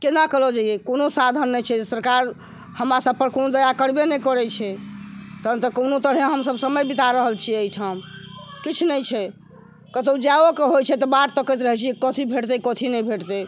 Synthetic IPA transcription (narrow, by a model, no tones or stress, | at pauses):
kenakəlod͡ʒaijekonosad̪ʱənːɛjt͡ʃʰɛsəɾkaɾ | həmɾasəb̚pəɾkonod̪əjakəɾbenɛjkɔɾɛt͡ʃʰɛt̪ənt̪əkonot̪əɾɦeɦəmsəbsəməjbit̪aɾəɦəlt͡ʃʰieiʈʰamkit͡ʃʰnɛjt͡ʃʰɛ | kət̪od͡ʒaokeɦojt͡ʃʰɛt̪ɔbaʈt̪əkɛt̪ɾəɦɛt͡ʃʰiekɔt̪ʰibʱeʈt̪ɛkɔt̪ʰinɛjbʱeʈt̪ɛ